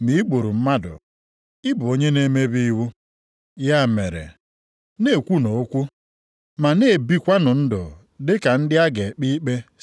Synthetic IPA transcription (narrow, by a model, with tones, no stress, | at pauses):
mi˨˦i˦k͡po˨ɾu˨m̩˦ma˦dʊ̰˨ | i˦bʊ˨o˦ɲe˦ne˦me˦bi˦i˦wu˦ | ja˦˨me˨ɾḛ˨ | ne˦˨kʷu˦no˨o˦kʷu˦ | ma˨ne˦˨bi˦kʷa˦nʊ˨n̩˦dʊ̰˨ | dɪ˦ka˨n̩˦dɪ˦a˦ɡe˨k͡pi˦k͡pe˦